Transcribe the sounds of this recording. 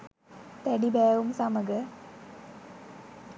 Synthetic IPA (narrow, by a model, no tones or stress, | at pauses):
t̪ɛɖibɛːʋumsɐməɡə